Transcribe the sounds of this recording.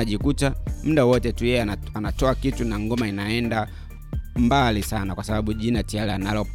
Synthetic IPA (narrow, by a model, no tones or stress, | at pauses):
aʄikutam̩ɗawɔtɛtujɛjɛ | anatɔakitunaŋɡɔmainaɛnda | mbalisanakwasaɓaɓuʄinatialɛanalɔ